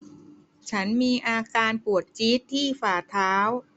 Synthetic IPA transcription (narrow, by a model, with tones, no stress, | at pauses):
t͡ɕʰa˦˥nmiː˧ʔaː˧kaː˧npu˨˩ət̪̚t͡ɕiː˦˥t̪ʰːiː˥˩faː˨˩t̪ʰaː˦˥w